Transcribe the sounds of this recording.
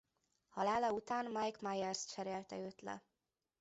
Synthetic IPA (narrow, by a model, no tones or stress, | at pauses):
hɒlaːlɒut̪aːnmajkmajɛrst͡ʃɛɾeːlt̪ɛøːt̪lɛ̰